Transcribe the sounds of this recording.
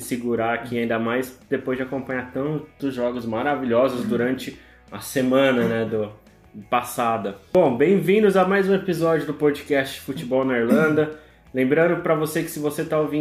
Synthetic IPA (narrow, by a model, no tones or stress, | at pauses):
siɡuɾaɾakʰiaĩnd̪ɐmajsd̪̥epojzd͡ʒɪakõpɐ̃ɲaɾt̪ɐ̃nt̪ʊzʒɔɡʊzmaɾaviʎʲɔzʊzd̪uɾɐ̃nt͡ʃɪ | ɐsemɐ̃nɐnɛd̪ʊ | pasad̪ɐbõw̃bẽj̃vĩnd̪ʊzamajzũepizɔd͡ʒjʊd̪ʊpod͡ʒɪkɛst͡ʃɪd͡ʒɪfut͡ʃɪbɔwnɐiɾlɐ̃d̪ɐ | lẽmbɾɐ̃nd̪ʊpɾɐvosekɪ̥sɪvoset̪aovĩ